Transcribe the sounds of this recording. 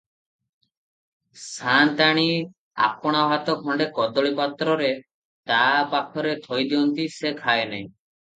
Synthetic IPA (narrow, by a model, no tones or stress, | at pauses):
sʰant̪aɽ̃i | a̰pɔɽ̃aɦat̪ɔkʰɔɳɖekɔd̪ɔɭipat̪ɾɔɾe | t̪apakʰɔɾet̪ʰɔjd̪iɔnt̪isekʰaenaj̃